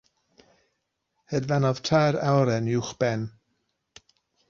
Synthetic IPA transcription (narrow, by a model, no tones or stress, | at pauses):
hədvanɔð̥tʰajɾawɾɛnuwχb̥ɛn